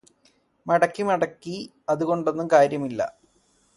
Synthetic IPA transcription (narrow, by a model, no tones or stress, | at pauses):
mɐɽɐkːimɐɽɐkːi | ɐðuɣo̞ɳɖo̞nːumkaːɾjɐmilːɐ̰